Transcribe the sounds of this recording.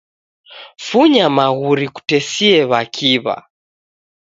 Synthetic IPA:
fuɲamaɣuɾiku̥tɛsiɛβakʰiβa̰

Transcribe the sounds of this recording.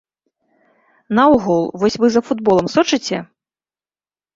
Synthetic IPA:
nɐuɣulˠvɔsʲvɨzɐfud̪bɔlˠɐmsɔt͡ʂɨt͡sʲɛ

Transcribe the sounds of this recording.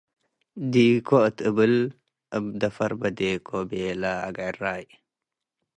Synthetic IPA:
dikʰoətəbəl | əbdafaɾbadekʰobelaa̰ɡaɾaj

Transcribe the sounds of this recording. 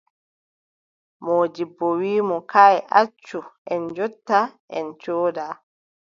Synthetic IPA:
moːd͡ʒibːɔwiːmɔkaːjʔat͡ʃːuʔɛnd͡ʒɔtːaʔɛnt͡ʃoːdaː

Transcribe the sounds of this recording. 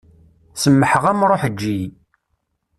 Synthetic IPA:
səmːəħəʁæmɾˤoħd͡ʒːij

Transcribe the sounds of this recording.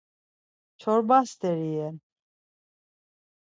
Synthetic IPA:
t͡ʃʰɔɾbast̪ɛɾijɛn

